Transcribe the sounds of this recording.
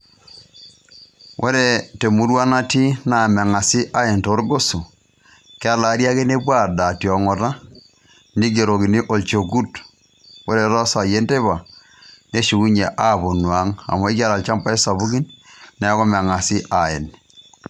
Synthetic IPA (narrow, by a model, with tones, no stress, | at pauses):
wʔo˦ɾe˨te˨mu˦ɾwa˦na˦ti˦na˨mɛ˨ŋa˨si˦ʔa˦e˨nto˨˦ɾɡo˦so˨ | ke˦a˦la˨˦ɾja˦ke˦ne˦pwa˦˨rda˨tjɔ˨ŋɔ˨ɾa˦ | ni˦ɡ̬e˨ɾo˨ki˨ni˦ʔo˨lt͡ʃo˨ɡu˦t | wo˦ɾe˨ɾa˦sa˨je˦nte˦βa˨ | ne˦ʃu˨ku˦ɲe˨ʔa˦bo˨nwa˨˦ŋa̰˨mɔ˦i˦ka˦la˨lt͡ʃa˦mpa˦i˦sa˨βu˦ki˦nnɛ˨˦kɔ˦mɛ˨ŋa˨si˦ʔa˨e˨n